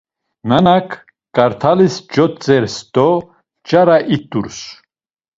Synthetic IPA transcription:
nanakʰ | kʼaɾt̪ʰalisd͡ʒɔt͡sʼɛɾst̪ɔ | t͡ʃʼaɾaʔit̪ʼuɾs

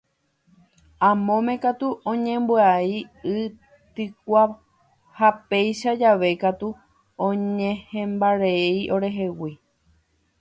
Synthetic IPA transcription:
ãmõ̞mẽ̞kat̪uʔõɲẽmbɨaiɨ | t̪ɨk̚ʷa | hapejʃad͡ʒaʋe̞kat̪u | õɲẽhẽmbaɾeiʔo̞ɾe̞ɦe̞wi

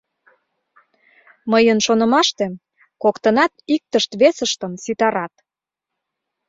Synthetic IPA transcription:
məjənʃonə̆mɑʃt̪e | kokt̪ənɑt̪ik̚t̪əʃt̪βesəʃt̪əmsit̪ɑɾɑt̪

